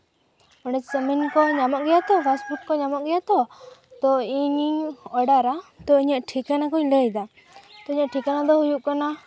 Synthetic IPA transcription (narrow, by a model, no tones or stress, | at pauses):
ɔɖɛt͡ʃsəminkɔɲamɔʔɡɛjat̪ɔpʰesbukːɔɲamɔʔɡɛjat̪ɔt̪ɔiɲɔɽaɾat̪ɔiɲaʔʈʰikanakɔiləɛd̪a | t̪ɔiɲaʔʈʰikanad̪ɔhujuʔkana